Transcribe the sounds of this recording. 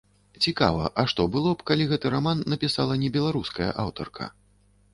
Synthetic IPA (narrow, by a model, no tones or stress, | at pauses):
t͡sʲika̰vɐʔɐʂt̪ɔbɨlˠɔpkalʲiɣɛt̪ɨɾamanːɐpʲisalˠɐnʲɛbʲɛlˠaɾuskɐjɐ̰ʔawt̪ɐ̰rkʰɐ̰